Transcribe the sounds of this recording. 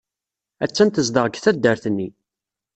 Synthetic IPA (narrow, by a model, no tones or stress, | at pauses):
æt͡sːænt̪əzd̪əʁɡθæd̪ːəɾθənːi